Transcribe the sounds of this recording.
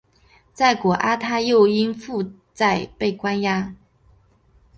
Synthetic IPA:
t͡sa˥˩ɪkwɔ˨˩ʔa˥t̪ʰa˥jo˥˧ʊi˥nfu˥˧ | t͡sa˥˧ɪpe˥˩ɪkwa˥nja˥

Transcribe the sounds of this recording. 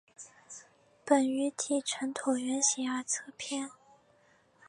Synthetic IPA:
pə˨˩ny˧˥t̪ʰi˨˩ʈ͡ʂʰə˧˥nt̪ʰu˨˩ʊɥɛ˧˥nɕɛ˧˥ə˞˧˥t͡sʰɤ˥pʰjɛ˥˩n

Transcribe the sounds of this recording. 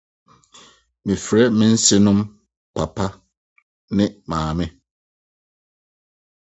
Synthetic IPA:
mĩ˨fɾɛ˦mɪ̃˦n̩˦sɪ˦nʊ̃˦m | pʰa˨pʰa˦ | nɪ̃˦mãː˨mɪ̃˦

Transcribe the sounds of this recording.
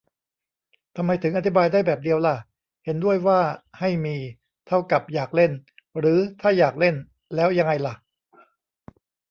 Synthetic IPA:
t̪ʰa˧mːa˧jt̪ʰɯ˩˦ŋʔa˧t̪ʰi˦˥baː˧jdaː˥˩jbɛː˨˩p̚di˧əwla˧˩ | he˩˦ndu˥˩əjwaː˥˩ha˥˩jmiː˧ | t̪ʰa˥˩wka˨˩p̚jaː˨˩k̚le˥˩n | ɾɯː˩˦t̪ʰaː˥˩jaː˨˩k̚le˥˩n | lɛː˦˥wja˧ŋa˧jla˨˩ʔ

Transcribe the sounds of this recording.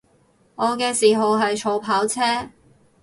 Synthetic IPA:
ŋɔː˨˧kɛː˧siː˨˩ɦɐ˨wɦɐ˨jt͡ʃʰo˨˧wpʰaː˨˥wt͡sʰɛː˥

